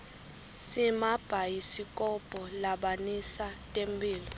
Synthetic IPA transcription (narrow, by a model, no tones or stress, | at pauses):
simab̥ʱajisikʼɔb̥ʼʱɔlaɓanisatʼembʱʼiːlɔ